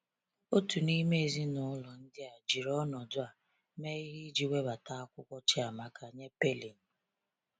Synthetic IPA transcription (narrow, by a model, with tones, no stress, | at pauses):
o˦tu˨ni˦me˦e˨zi˦nʊ˦lɔ˨n̩˦dɪ˦a˨d͡ʒi˨ɾɔ˦nɔ˨dʊ˦a˨ | me˦i˦ɦi˦d͡ʒi˨we˦ba˨ta˦a˦kʷʊ˦kʷɔ˦t͡ʃɪ˦a˨ma˨ka˨ɲe˦pe˦li˨n̩˨